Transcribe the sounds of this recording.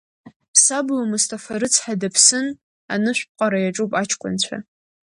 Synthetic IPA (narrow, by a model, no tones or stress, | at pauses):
pʰsabwamustʰafaɾɨt͡sʰħadapʰsɨn | a̰nɨʃʷᶣp̚qʼaɾajaʈ͡ʂʼupʼat͡ʃʰkʷʼʊ̰nt͡ɕʷʰa̰